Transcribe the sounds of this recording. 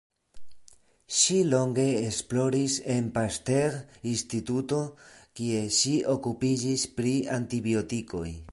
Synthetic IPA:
ʃilo̞ŋɡe̞ːsplo̞ɾise̞npaste̞ɾinstituto̞kie̞ʃio̞kupid͡ʒispɾiantibio̞tiko̞̰j

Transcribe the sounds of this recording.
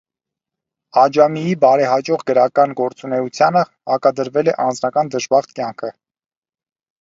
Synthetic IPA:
ɑd͡ʒɑmijibɑɾɛɦɑd͡ʒɔʁɡəɾɑkɑnɡɔɾt͡sunɛut͡sʰjɑnə | hɑkɑd̪əɾvɛlɛʔɑnd͡znɑkɑnd̪əʒbɑʁt̪kjɑŋkʰə

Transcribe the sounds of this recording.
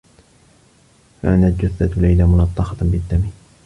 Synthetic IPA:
fa̰ʔanald͡ʒʊθːat̪lajlamʊnɑt̪ˤːɑqɑbɪd̪ːami

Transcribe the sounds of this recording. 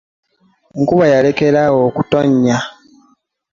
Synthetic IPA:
ŋkuβajale̞ke̞ɾawoːkuto̞ɲːa

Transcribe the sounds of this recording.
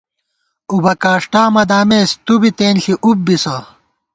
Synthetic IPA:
ubɐkaːʂʈaːmɐd̪aːmeːst̪ubit̪eːnɬiʔub̚bisɐ

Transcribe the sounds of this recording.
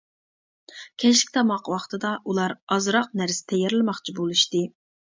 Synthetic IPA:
kʲʰɛʃlɪkʲt̪ʰɑmɑqwɑχt̪ɨd̪ɑʔulˠɑɾɑzɾɑq̚næɾsɪ̥t̪ʰɛjɛɾlˠɨmɑχt͡ʃʰibolˠuʃt̪ɨ

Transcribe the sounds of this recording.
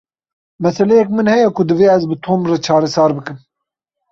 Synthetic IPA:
mɛsɛlɛjɛk̚mɨnhɛjɛkʰʊd̪ɨveːɛzbɨt̪ʰoːmrɛt͡ʃʰɑːɾɛsɑːɾbɨkɨm

